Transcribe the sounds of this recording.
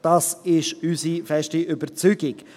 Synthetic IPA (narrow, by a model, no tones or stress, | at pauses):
d̥ɑːsɪʃysifɛʃtiʔʏbəɾt͡syɡɪk